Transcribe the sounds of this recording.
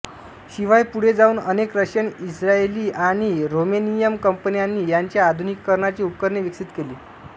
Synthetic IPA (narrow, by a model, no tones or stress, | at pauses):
ɕiʋajpuɽ̤ed͡zauːnənekɾəɕjənisɾaeliːʔaɽ̃iɾomenijəmkəmpənijanːiːjaɲt͡ɕjaːd̪ʱunikːəɾɳat͡ɕiːup̚kəɾɳeʋiksit̪keliː